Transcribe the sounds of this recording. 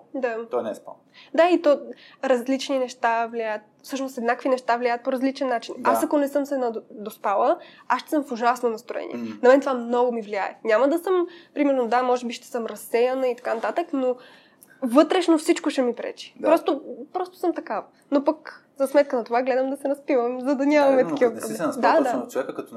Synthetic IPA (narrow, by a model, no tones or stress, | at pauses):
d̪an | d̪ait̪ɔɾɐzlit͡ʃninɛʃt̪avliajət̪̚fsɤʃnosɛd̪nakvinɛʃt̪avliajət̪̚poɾɐzlit͡ʃɛnːat͡ʃinasɐkonɛsɤmsɛnɐd̪ospalˠəasʃt̪ɛ̥sɤmfoʒasnonɐst̪ɾoɛ̰nḭɛɛnɐmɛnt̪ovamnɔɡomivliaɛ̰nʲaməd̪ɐsɤmpɾimɛɾnod̪amɔʒɛbiʃt̪ɛ̥sɤmɾɐsːɛjɐnəit̪ɐ̥kanɐt̪at̪əkno | vɤt̪ɾɛʃnofsit͡ʃkoʃɛmipɾɛ̰t͡ʃi̥pɾɔst̪opɾɔst̪o̥sɤmt̪ɐkavɐ | nopɐk | zɐsmɛt̪̚kənɐt̪ovaɡlɛd̪əmd̪ɐsɛɾɐspivəmzɐd̪ɐnʲamɐmɛt̪ɐkivɐpɾoblɛd̪ad̪at͡ʃovɛkəkɐt̪